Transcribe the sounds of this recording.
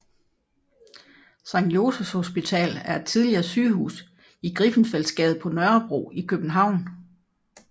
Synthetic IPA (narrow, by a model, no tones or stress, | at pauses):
sɑ̈ŋjo̝ːsəsho̝sb̥it͡sʰɛ̰ːlæɐe̝d̥̚t͡sʰið̞ˠliɐːsyːɦṵːs | iɡ̥ʁifn̩fel̰sɡ̥ɛð̞̩ˠpʰɒ̽nɶɐb̥ʁo̝̰ːikʰøb̥n̩ɦɑ̈ʊ̰n